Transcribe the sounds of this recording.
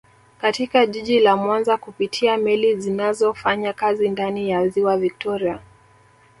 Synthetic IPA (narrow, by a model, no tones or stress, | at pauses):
katikaʄiʄilamwanzakupitʰiamɛlizinazɔfaɲakazindanijaziwavik̚tɔɾia